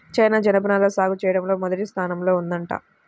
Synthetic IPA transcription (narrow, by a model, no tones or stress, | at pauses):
t͡ʃɐjnaːd͡ʒɐnɐp̬ɐnaːloːsaːɡut͡ʃɛːjɐɽɐmlo̞ːmɔd̪ɐʈist̪ʰaːnɐmlo̞ːund̪ɐɳʈa̰ː